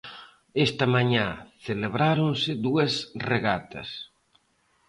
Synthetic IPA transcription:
est̪ɐmaɲaθeleβɾaɾõnsɪðuɐsreɣat̪ɐ̰s

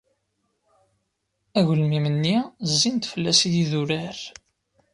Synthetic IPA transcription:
æʝəlmimənːizːint̪fəlːæsijiðuɾæɾ

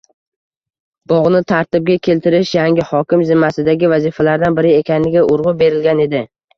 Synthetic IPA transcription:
b̥ɒʁnɪt̪ʰaɾt̪ɪb̚ɡʲakʲʰe̞lt̪ɪɾɪʃjaŋʲɪhɒkʲɪmzɪmːasɪd̪aɡʲɪvazɪfalaɾd̪anbɪɾɪekʲʰanɪɡʲaʔʊɾʁʊbe̞ɾɪlɡʲane̞d̪ɪ

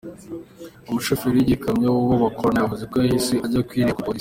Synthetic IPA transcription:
umuʃofiɾijiɟikamɲowuβoβakoɾanajaɦuzekojahisiʔaɟakwiːɾiakupois

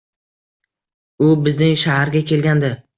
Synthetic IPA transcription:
ʊbɪznɪŋʃahaɾɡʲakʲʰe̞lɡʲand̪ɪ

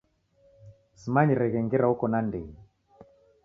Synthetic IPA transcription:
simaɲiɾɛɣɛŋɡɛɾaukɔnandɛŋi

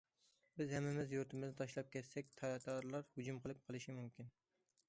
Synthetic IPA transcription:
bɪzhɛmːɪmɪzjuɾt̪ʰɪmɪznɪt̪ʰɑʃlˠɑp̚kʲʰɛt̪sɛk̚ʲt̪ʰɑd̪ɑɾlˠɑɾhʊd͡ʒumqʰəlˠɨp̚qʰəlˠɨʃimumkʲin

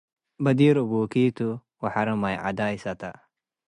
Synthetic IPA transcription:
bɐd̪iːɾubuːkit̪u | wɐħaɾɐmajʕa̰d̪aːjsɐt̪a̰

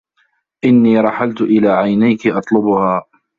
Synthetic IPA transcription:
ʔɪnːiːɾˤɑħalt̪ʊʔɪlaːʕajnajkɪʔɑt̪ˤlʊbʊhaː

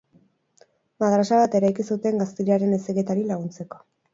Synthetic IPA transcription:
maðɾasaβat̪e̞ɾajkisut̪e̞ŋɡast̪iʎaɾe̞ne̞seɣe̞t̪aɾilaɣ̞unt͡se̞ko̞̥

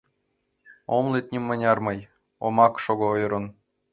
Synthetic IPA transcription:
omlˠet̪̚ʲnʲimːɤ̆nʲɑrmɤj | omɑkʃoɣŏojɾɤ̆n

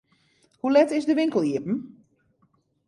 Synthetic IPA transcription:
hulɛtɪzdəʋɪŋkəlˠjiəpn̩

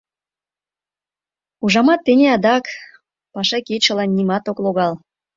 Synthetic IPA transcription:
uʒɑmɑt̪ːenʲeɑd̪ɑk | pɑʃɑket͡ɕə̆lɑnːimɑt̪okloɣɑl

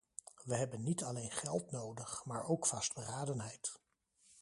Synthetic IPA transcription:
ʋəɦɛbənːitɑlejnχɛlˠtnowdəχmaːɹowkfɑsd̚bəraːdənɦɛjt

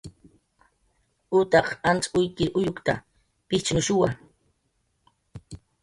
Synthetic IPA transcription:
ʊt̪ɑχant͡sʼʊjkɪʔʊjokt̪a̰ | pɪt͡ʃnʊʃʊwa

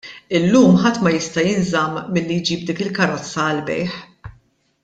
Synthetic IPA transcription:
ɪlːuːmħɐt̪ːmɐjɪst̪ɐjɪnzɐmːɪlːijd͡ʒiːb̚d̪iːkɪlkɐɾɔt͡sːɐːlbɛ̰jħ

